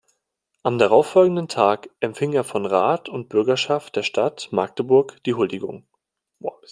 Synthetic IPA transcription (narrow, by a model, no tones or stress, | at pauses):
ʔamdaʁ̞aʊfɔlɡŋ̩dəntʰaːkʔɛmfɪŋeːɐfɔnʁaːtʊnt̚b̥ʏɐɡɐʃaft̚d̥eːɐʃtʰatmaɐk̚təbʊɐkd̥iːɦʊldɪɡʊ̰ŋ